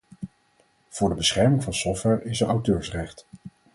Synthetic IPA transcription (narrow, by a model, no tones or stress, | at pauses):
v̥ʊːɹdəbəsχɛɹmɪŋvɑnsɔftʋɛɹɪsənawtøːɹsrɛχt